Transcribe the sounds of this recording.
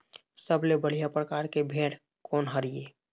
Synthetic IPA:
səblebəɽ̤ijapɾəkaːɾkebʱeːɽ | kɔːnɦəɾijeː

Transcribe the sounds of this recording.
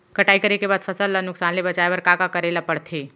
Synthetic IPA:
kɐʈaːikɐɾekebaːd̪fʰɐsəlːanʊksaːnlebɐt͡ʃaːebɐɾkakakɐɾeːlapɐɽt̪ʰeː

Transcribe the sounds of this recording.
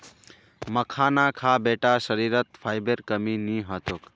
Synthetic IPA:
məkʰaːnakʰaːbeːʈaʃəɾiːɾət̪fʰaːjbeɾkəminĩːɦat̪ok

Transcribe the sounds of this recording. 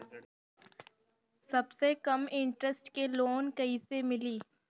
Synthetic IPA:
sɐbsekɐmɪ̃ɳʈɾəsʈkeloːnkɐisemɪliː

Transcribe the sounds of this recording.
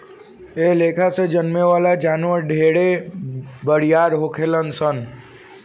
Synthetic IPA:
eleːkʰased͡ʒənmeʋaːlad͡ʒaːnʋəɾɖʱeːɽe | bəɽijaːɾɦoːkʰelənsən

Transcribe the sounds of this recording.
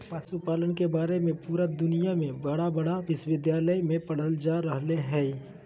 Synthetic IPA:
pəsupaːlənkebaːɾemẽpuːɾad̪ʊnijamẽbɐɽabɐɽaʋɪswɪd̪jaːləjmẽpɐɽ̤əld͡ʒaːɾəɦleɦɛː

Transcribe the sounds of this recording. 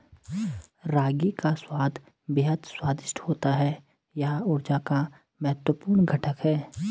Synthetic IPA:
ɾaːɡikaswaːd̪ʱ | bɪɦəd̪swaːd̪ɪʃʈhoːt̪aɦɛ | jɐɦʊɾd͡ʒaka | mɐɦɛt̪wəpuːɾnɡʱɐʈʰəkɦɛː

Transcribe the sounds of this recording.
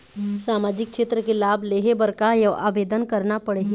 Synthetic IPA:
saːmaːd͡ʒɪk̚kʃeːt̪ɾəkelaːbleːɦebɐɾkajɐa̰ːʋeːd̪ənkɐɾnapɐɽe

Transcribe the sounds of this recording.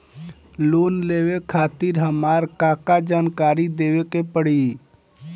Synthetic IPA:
loːnleːʋekʰaːt̪ɪɾɦəmaːɾkaːkad͡ʒaːnkaːɾid̪eːʋekepəɽi

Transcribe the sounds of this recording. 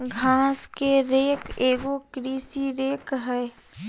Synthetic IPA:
ɡʱãːskeɾeːkeːɡokɾiːsiɾeːkɦɛː

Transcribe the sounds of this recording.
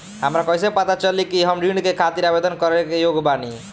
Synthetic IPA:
ɦamɾakɔjsepat̪at͡ʃɔlikiɦɔmɾiɳɖkekʰat̪iɾabed̪ɔnkɔɾekejoɡbani

